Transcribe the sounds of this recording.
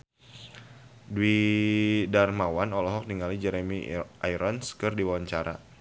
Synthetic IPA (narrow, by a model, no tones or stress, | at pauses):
dwi | darmawanɔlɔɦɔk̚niŋalid͡ʒɛɾemiʔajɾɔnskɨrdiwawaɲt͡ʃaɾa̰